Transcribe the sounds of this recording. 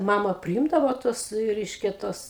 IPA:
ˈmɑːmɐ pʲrʲɪˈɪmdɐʋoː ˈtuɔs ˈrʲɛɪʃʲkʲɛ ˈtuɔs

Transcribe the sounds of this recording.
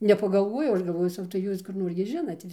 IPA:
nʲɛpɐɡɐlˠˈʋoːjɛʊ ˈɐʃ ɡɐlˠˈʋoːjɛʊ ˈsɐʊ tɐɪ ˈjuːs kʊr ˈnoːr ɡʲɪ ˈʒʲɪnɐt

